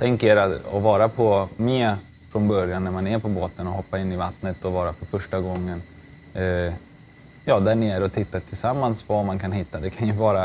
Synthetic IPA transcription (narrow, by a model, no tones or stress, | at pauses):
t̪ʰɛŋkeɾaɔvɑːɾapʰɔmeː | fɾɔnbœɾjanːæɾmanɛɾpʰɔboːt̪ənɔhɔpːaɪnːɪvat̪nət̪ɔvɑːɾafœɾfœʂʈaɡɔŋːən | jɑːd̪æɳeːɾəɔt̪ʰɪt̪ːat̪ʰɪlsamːansvamankʰanɦɪt̪ːad̪ɛkʰanjɵvɑːɾa